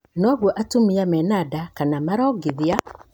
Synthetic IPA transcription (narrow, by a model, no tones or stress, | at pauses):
nɔɣwɔʔatumiamɛnadakanamaɾɔɡiðia